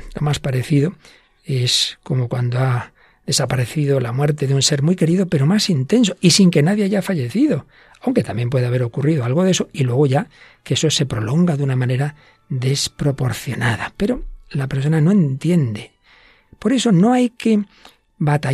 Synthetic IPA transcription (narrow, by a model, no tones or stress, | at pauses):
lo̞maspaɾe̞θiðo̞ | e̞sko̞mo̞kwand̪oa | ðe̞sapaɾe̞θiðo̞lamwe̞ɾt̪e̞ðeunse̞ɾmwijke̞ɾiðo̞pe̞ɾo̞masint̪e̞nso̞isiŋke̞naðjeaʝafaʝe̞θiðo̞ | awŋke̞t̪ambje̞mpwe̞ðaβe̞ɾo̞kuriðoalɣ̞o̞ðe̞so̞ilwe̞ɣ̞o̞ʝakeeso̞se̞pɾo̞lo̞ŋɡaðunamãne̞ɾa | ðe̞spɾo̞po̞ɾθjo̞naðape̞ɾo̞lape̞ɾso̞nano̞e̞nt̪je̞nd̪e̞ | po̞ɾe̞so̞no̞ajke̞ | βat̪a